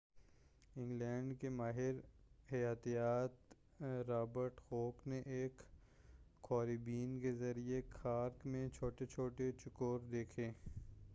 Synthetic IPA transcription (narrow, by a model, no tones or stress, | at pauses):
ɪ̃ŋɡlɛːɳɖkemaːɦɪɾhɐjaːt̪ijaːt̪ | ɾaːbəɾʈhoːkneʔeːkː | ɔːɾibiːnkezɐɾiekʰaːɾkmẽt͡ʃʰoːʈet͡ʃʰoːʈet͡ʃʊkoːɾd̪eːkʰeː